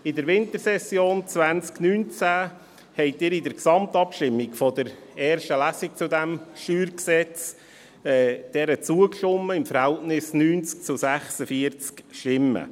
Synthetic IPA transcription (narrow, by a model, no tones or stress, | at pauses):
ɪdəɾʋɪntəɾsɛsːjoːnt͡sʋænt͡sknyːnt͡sæ | hɛɪtɪːɾɪdəɾksɑmtɑpʃtɪmːikfɔdəɾɛːɾʃtəlæsik̚t͡sʊdæmʃyːɾksɛt͡s | ɛd̥ɛɾət͡suəkʃʊmːəɪmfəɾhɛltnɪsnyːnt͡sk̚t͡sʊsæχsəfiəɾt͡skʃtɪmːə̰